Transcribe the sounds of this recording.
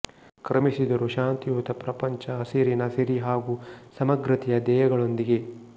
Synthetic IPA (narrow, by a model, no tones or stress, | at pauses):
kɾɐmisid̪ɐɾuʃaːnt̪ijuːt̪ɐpɾɐpɐɲt͡ʃɐːsiɾinɐsiɾiɦaːɡusɐmɐɡɾɐt̪ijɐd̪ɛːjɐɡɐɭo̞nd̪iɡe̞